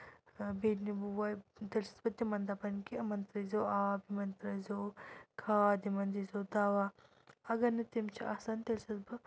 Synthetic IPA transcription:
beːnibuwat̪elsɐ̥sbɐt̪imɐnd̪apɐnkimɐnt̪ɾɐzoːaːbimɐnt̪ɾɐzoːkʰaːd̪imɐnd̪izoːd̪aːʋa | ɐɡɐɾnɐt̪imt͡ʃʰiʔaːsaːnt̪elsɐsbɨ

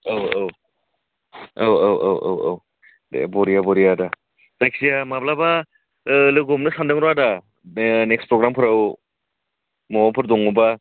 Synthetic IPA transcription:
awaw | awawa̰wʔa̰wa̰w | d̰bɔɾijabɔɾijada | tajksijamablaba | lɯɡɔmnɯsandɯŋɾada | nekspɾɔɡɾampʰɯɾaw | mɔwapʰɯɾdɔŋɔba

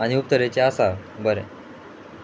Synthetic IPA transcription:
aɽ̃iup̚t̪əɾet͡ɕeasabəɾḛ

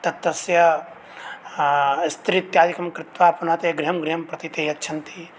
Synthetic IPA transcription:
t̪ɐt̪ːɐsjɐ | st̪ɾit̪jaːd͡ʒikɐmkɾɪt̪ʋaːpɐnaːt̪eɡɾiɦɐmɡɾijɐmpɾɐt̪it̪ejɐtːt͡ʃʰɐnt̪i

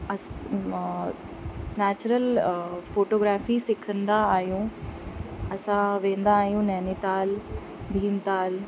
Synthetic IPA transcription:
ɐs | nɛːt͡ɕɾəlfoːʈoːɡɾaːfisɪkʰə̃nd̪aːɦijũ | ɐsãʋẽːn̆d̪aːɦijũnɛːnit̪aːl | bʱiːmt̪aːl

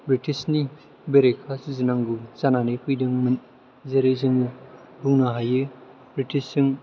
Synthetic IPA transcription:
bɾitisni | beɾekʰasizɯnaŋɡuzananikʰujdɯŋmɯn | zeɾezɯŋ | buŋnaɦajɯ | bɾitisɯŋ

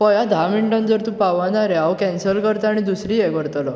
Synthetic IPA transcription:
pɔjad̪ʱamiɳʈə̃nd͡zəɾt̪ũpaʋanaɾɛawkɛnsəlkəɾt̪aɽ̃id̪usɾiɛkəɾt̪əlɔ

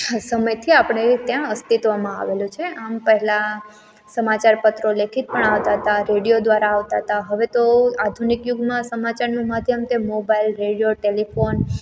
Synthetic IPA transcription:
səməjt̪ʰiapɳ̃et̪jãəst̪it̪ʋamãa̰ʋelũt͡ʃʰeʔampəɦɛla | səmat͡ʃaɾpət̪ɾolekʰit̪̚pəɳaʋt̪aɦət̪aɾeɽijod̪ʋaɾaːʋt̪aɦət̪aɦəʋet̪oad̪ʱunikjuɡmãsəmataɾnimad̪ʱjəmt̪emobailɾeɽijoʈelifon

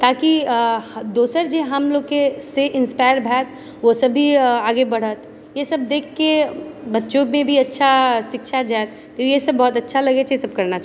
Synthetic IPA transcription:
t̪aːki | d̪oːsəɾd͡ʒeɦɐmloːɡ̚keseʔɪ̃nspaːɪɾbʱɛːt̪ | ʋosɐbʱiaːɡebɐɽ̤ət̪ | jesɐb̚d̪eːkʰːebɐtːt͡ʃomẽbʱiɐtːʃʰaʃɪkʃad͡ʒaːt̪ | t̪ojesɐbːɔːt̪ɐtːʃʰalɐɡet͡ʃʰesɐb̚kɐɾnat͡ʃ

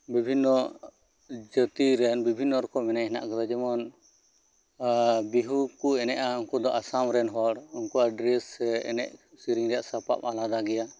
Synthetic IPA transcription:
bibʱinːɔ | d͡ʒət̪iɾɛnbibʱinːɔɾɔkɔmɛnajɦɛna̰ʔkad̪ad͡ʒɛmɔn | biɦukuɛnɛʔauŋkɔd̪ɔʔasamɾɛnɦɔɽunkuʔaɖɾɛsɛɛ̰nɛ̰ʔsiɾiŋɾɛjaʔsapa̰palad̪aɡɛja

